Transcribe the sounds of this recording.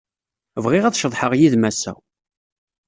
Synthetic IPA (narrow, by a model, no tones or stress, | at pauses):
vʁɪʁæðʃəðˤħəʁjiðmæsæ̰